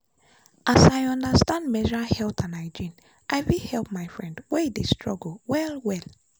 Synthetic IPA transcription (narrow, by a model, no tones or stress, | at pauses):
ʔasajɔ̃ndəstãndmɛʒɹahɛltʰãnaɪd͡ʒĩn | ʔaɪwihɛlp̚maɪfɹɛ̃ndwɛidestɹɔɡl̩wɛlwɛl